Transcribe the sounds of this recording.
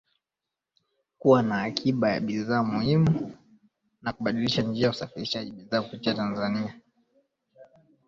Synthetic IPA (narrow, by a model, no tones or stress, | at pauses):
kuwanaːkʰiɓaja̰ɓiðaːmuhimu | nakuɓaɗiliʃand͡ʒiajusafiɾiʃaʄiɓiðaːkupitiatanzania